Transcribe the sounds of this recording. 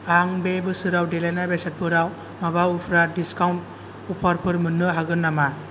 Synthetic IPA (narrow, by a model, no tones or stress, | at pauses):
aŋbebɯsɯɾawdelanabesat̚pʰɯɾaw | mabaupʰɾadiskawnt̚ | upʰaɾpʰɯɾmɯnːɯɦaɡɯnːama